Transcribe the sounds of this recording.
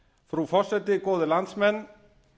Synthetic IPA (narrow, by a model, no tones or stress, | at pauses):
fɾufɔr̥sɛt̪ɪkɔːðɪlant̪smɛnː